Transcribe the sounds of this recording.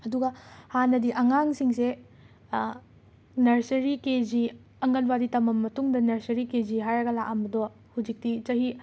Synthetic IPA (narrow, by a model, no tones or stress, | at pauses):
ɐduɡɐhanɐdiʔɐŋaŋsiŋse | nɐɾsɐɾiked͡ʒi | ɐŋɡɐnbaditɐmɐmːɐtuŋdɐnɐɾsɐɾiked͡ʒiɦajɾɐɡɐlakambɐdɔ | hud͡ʒik̚tit͡ʃɐɦi